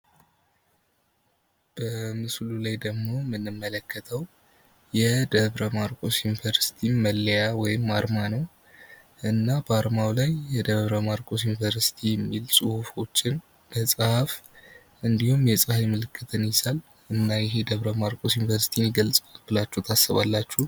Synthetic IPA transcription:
b̥əmɨslulajd̪əɡmo̞mɨnːɨmːələkːət̪ʰəw | jɛd̪əβɾəmaɾkʼo̞sjunvəɾsi̥t̪ʰiməlːjawɔjɪmːaɾmanəw | ʔɨnːabəaɾmawlajːɛd̪əβɾəmaɾkʼo̞sjunvəɾsi̥t̪ʰijɛmːilsʼɨhufo̞t͡ʃːɪn | b̥əsʼɨhaf | ʔɨnd̪ihumjɛsʼɨhafmɨlɨkʰːɨt̪ʰɨnjɪzal | ʔɨnːajɛɦed̪əβɾəmaɾkʼo̞sjunvəɾsi̥t̪ʰiniɡəlsʼbɨlat͡ʃːut̪ʰasːəβa̰lːat͡ʃːu

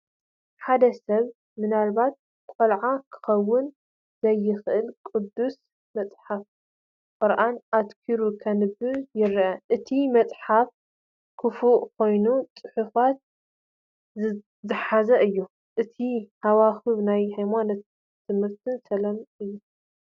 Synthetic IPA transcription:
ħad̪ɐsɐβ | mɨnalβat̪̚ | kʷʼolʕakʰɨ̥xɐwːʊn | zɐjːɪxʔɨlkʼɨd̪ːus | mɐt͡sʼħaf | kʼɔɾʔanʔad̪kʰiɾukʰɐnɨbɨjɪɾʔɐʔɨt̪ʰimɐt͡sʼħaf | kʰɨfuʔkʰo̞jnut͡sʼɨħufat̪̚ | zɨ | zɨħazɐʔɨjːu | ʔɨt̪ʰihawaxɨβnajhajmanɐt̪ʰː | ɨmhɨɾt̪ʰɨnsɐlɐmɨjːu

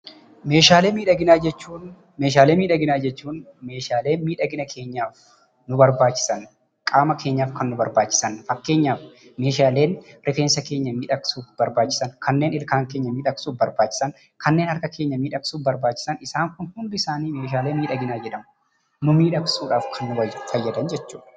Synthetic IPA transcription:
me̞ːʃaːleːmiːᶑɐɡɪnaːd͡ʒɛt͡ʃːuːn | meːʃ̬aːleːmiːᶑɐɡɪnaːd͡ʒɛt͡ʃːuːn | me̞ːʃaːle̞ːnmiːᶑɐɡɪnɐkʰe̞ːɲːaːf | nʊbɐɾbaːt͡ʃːɪ̥sɐn | kʼaːmɐkʰe̞ːɲːaːfkɐnːʊbɐɾbaːt͡ʃːɪ̥sɐnfɐkːe̞ːɲːaːfme̞ːʃ̬aːle̞ːnɾɪfeːnsɐke̞ːɲːɐmiːᶑɐkʼsuːfb̥ɐɾbaːt͡ʃːɪ̥sɐnkʰɐnːe̞ːnɪlkaːŋkeːɲːɐmiːᶑɐksuːfbɐɾbaːt͡ʃːɪ̥sɐn | kɐnːeːnhɐɾkɐkʰe̞ːɲːɐmiːᶑɐkʼsuːfbɐɾbaːt͡ʃːɪ̥sɐnɪsaːŋkʊnhʊnd̪ʊɪsaːniːme̞ːʃ̬aːleːmiːᶑɐɡɪnaːd͡ʒɛᶑɐmɐ | nʊmiːᶑɐksuːᶑaːfkʰɐnːʊɐfɐjːɐd̪ɐnd͡ʒɛt͡ʃːuːᶑ

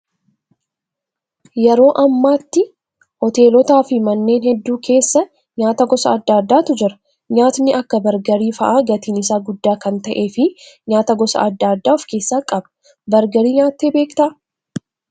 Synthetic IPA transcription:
jɛɾo̞ːʔɐmːaːt̪ːɪ | ʔɔt̪e̞ːlɔt̪aːfɪmɐnːe̞ːnhɛd̪ːuːkʰe̞ːsːɐ | ɲaːt̪ɐɡɔsɐːd̪ːaːd̪ːaːt̪ʊd͡ʒɪɾɐ̥ | ɲaːt̪nɪɐkːɐbɐɾɡɐɾiːfɐʔaɡɐt̪iːnɪsaːɡʊd̪ːaːkɐnt̪ɐʔe̞ːfɪɲaːt̪ɐɡɔsɐ̰ɐd̪ːaːd̪ːaːɔfke̞ːsːaːkʼɐb | bɐɾɡɐɾiːɲaːt̪ːeːbe̞ːkt̪ɐʔ

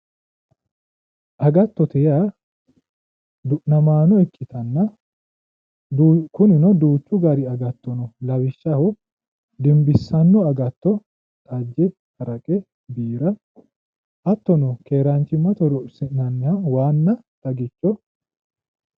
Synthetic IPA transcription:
ʔɐɡɐt̪ːɔt̪ɛjaː | d̪ʊʔnɐmaːnɔɛkʼːɪt̪ɐnːɐ | kʊnɪnɔd̪uːt͡ʃːʊɡɐɾɪɐɡɐt̪ːɔnɔlɐwɪʃːɐhɔ | d̪ɪmbɪsːɐnːɔɐɡɐt̪ːɔ | t̪ʼɐd͡ʒːɛ | hɐɾɐkʼɛ | biːɾɐ | ʔɐt̪ːɔnɔkeːɾɐnt͡ʃːɪmːɐt̪ɔɾɔsɪnnɐnːɪjɐwaːnːɐt̪ɐɡɪt͡ʃːɔ

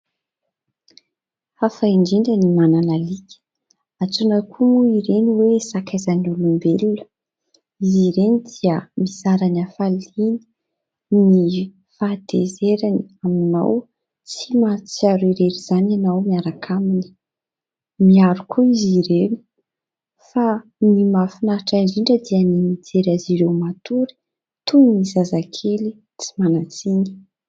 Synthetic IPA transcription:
hafaiɳɖ͡ʐiɳɖ͡ʐənimananalikʲə̥ | at͡sunakʰumuiɾeniwesakʰazanulumbelulə̥ | iziɾenid̪iəmizaɾanafalini̥ | ni | fad̪̥ezeɾaniamina̰w | t͡simat͡siaɾiɾeɾiz̥ananawmiaɾakʰamini̥ | miaɾukʰuiziɾeni̥ | fanimafinaɾʈ͡ʂaɖ͡ʐiɳɖ͡ʐəd̪iənimid͡zeɾaziɾewmat̪uɾi̥ | t̪unnizazakʰeli | t͡si̥manat͡siɲi̥

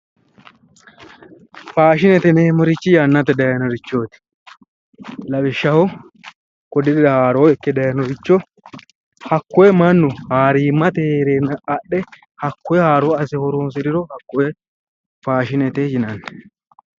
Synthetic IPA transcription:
faːʃɪnɛt̪ɛnemɔɾɪt͡ʃːɪjaːnːɐt̪ɛd̪ɐjɐnɔɾɪt͡ʃːoːt̪ɪ̥ | lɐbɪʃːɐhʊ | kɔd̪ɪd̪ɪd̪ɐhaːɾoːɛkːɛd̪ɐjɐnɔɾɪt͡ʃːɔ | hɐkːɔjɛmɐnːʊhaːɾiːmːɐt̪ɛheːɾeːnɐːɗːɛ | hɐkːɔjɛhaːɾoːɐs̬ɛhɔɾoːnsɪɾɪɾɔhɐkːɔjɛ | faːʃɪnɛt̪ed͡ʒɪnɐnːɛ̥

